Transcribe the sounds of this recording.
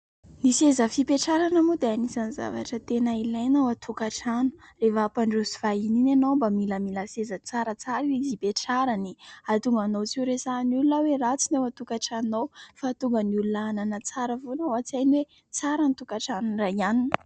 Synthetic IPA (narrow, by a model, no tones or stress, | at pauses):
nisezəfipeʈ͡ʂaɾanamud̪eanisaniza̰va̰ʈ͡ʂət̪enailajnawat̪ʰukaʈ͡ʂanu̥ | refəːpaɳɖ͡ʐusivaininanombamiləmiləsezət͡saɾət͡saɾizipeʈ͡ʂaɾaniat̪uŋɡanowt͡siɾesanulunawerat͡sinewat̪ukaʈ͡ʂanowfat̪uŋɡənulunaananət͡saɾəvonawat͡sajniwe | t͡saɾənit̪ukaʈ͡ʂanuniraianinə